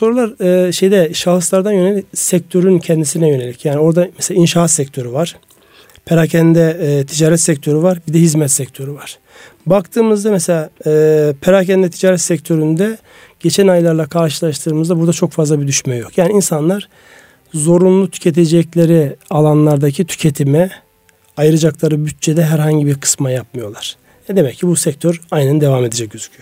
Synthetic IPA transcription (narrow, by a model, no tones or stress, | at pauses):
so̞ɾulˠaɾɯːʃe̞jd̪ɛʃalˠɯslˠaɾd̪anjø̞ne̞lʲicsɛc̚t̪ʰø̞ɾyncʰɛnd̪isinɛjøne̞lʲicjaːɾnio̞ɾd̪amɛselaːinʃaɦat̪sɛct̪ʰø̞ɾyvaɾ̥ | pʰeɾacʰɛnd̪ɛt̪ʰid͡ʒaːɾɛt̪sɛc̚t̪ʰø̞ɾyvaɾbid̪ɛɦizmɛt̪sɛc̚ʲt̪ʰø̞ɾyvaɾ̥ | bakt̪ʰɯːmɯzd̪amɛse̞lʲaːpʰeɾacɛnd̪ɛt̪ʰid͡ʒaːɾɛt̪sɛct̪ʰø̞ɾynd̪ɛ | ɟ̥e̞t͡ʃʰænajlˠaɾlˠakʰaɾʃɯlˠaʃt̪ʰɯːmɯzd̪abuɾd̪at͡ʃʰo̞kfazlˠabid̪yʃmɛjokʰjaːniinsanlˠaɾ̥ | zo̞ɾunlˠut̪ʰy̥cʰe̞t̪̬ʰe̞d͡ʒɛclʲe̞ɾialˠanlˠaɾd̪acʰit̪ʰy̥cʰe̞t̪ʰimɛ | ajɯɾad͡ʒaklˠaɾɯbyt̪̚t͡ʃʰed̪ɛɦæɾɦaɲɟibiɾkʰɯ̥smajap̚mɯjo̞lˠaɾ̥ | jɛd̪emɛccːibusɛc̚t̪ʰøɾajnɛnd̪e̞vame̞d̪ed͡ʒɛc̚ɟ̥øzy̥cʰyjo